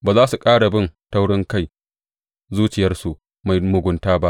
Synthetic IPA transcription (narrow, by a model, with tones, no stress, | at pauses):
baː˨zaː˦su˨kʼaː˦ɽa˨bɪ˦˨nta˦wɽɪ˦ŋka˦˨j | zuː˦t͡ʃɪ˨jɐ˦rsu˨ʔ | ma˨jmʊ˨ɡʷʊ˨ntaː˦ba˦ʔ